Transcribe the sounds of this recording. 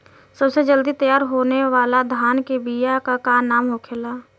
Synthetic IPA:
səbsed͡ʒəld̪it̪əjaːɾɦoːneʋaːlad̪ʱaːnkebijakakaːnaːmɦoːkʰelaː

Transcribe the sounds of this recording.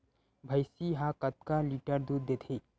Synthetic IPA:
bʱəjsiɦãkət̪̚kaliʈəɾd̪ud̪ːet̪ʰe

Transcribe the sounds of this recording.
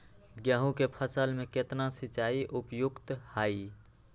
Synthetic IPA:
ɡjaːɦũkepʰəsəlmẽket̪nasit͡ʃaiʔupjʊkt̪hai

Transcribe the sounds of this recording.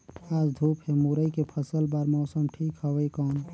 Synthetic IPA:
aːd͡ʒd̪ʱuːpɦemuɾəikepʰəsəlbaːɾmɔːsəmʈʰiːkɦəwəikɔːn

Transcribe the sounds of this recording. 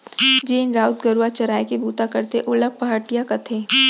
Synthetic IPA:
d͡ʒeːnɾaːʊt̪ɡɐɾuwat͡ʃɐɾaːekebʱuːt̪akɐɾt̪eʔʊləb̚pɐɦəʈijakɐt̪ʰeː

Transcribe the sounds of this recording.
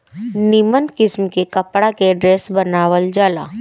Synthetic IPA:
nɪmənkɪsmkekɐpɽakeɖɾeːsbɐnaːʋəld͡ʒaːla̰ː

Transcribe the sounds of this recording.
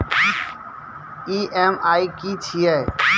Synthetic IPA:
iːʔeːmaːikiːt͡ʃʰiɛ

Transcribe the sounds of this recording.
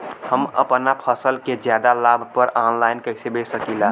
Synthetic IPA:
həmə̰pnapʰəsəlked͡ʒjaːd̪alaːbʱpəɾaːnlaːɪnkəɪsebeːt͡ʃsəkila

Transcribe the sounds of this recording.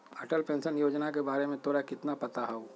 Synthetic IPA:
ɐʈəlpẽːnʃənjoːd͡ʒnakebaːɾemẽt̪oːɾakɪt̪napɐt̪aɦao

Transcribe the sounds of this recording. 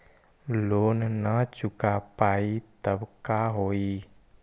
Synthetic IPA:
loːnnət͡ʃʊkapaːit̪əbkaɦoːiː

